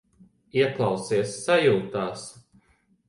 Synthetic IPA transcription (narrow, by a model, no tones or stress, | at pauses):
iɛklˠɑwsiɛsːajuːt̪aːs